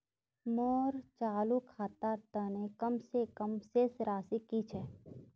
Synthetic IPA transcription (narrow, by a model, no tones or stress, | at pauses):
moːɾt͡ʃaːlukʰaːt̪aːɾt̪anekəmsekəmsesɾaːsikit͡ʃʰɛː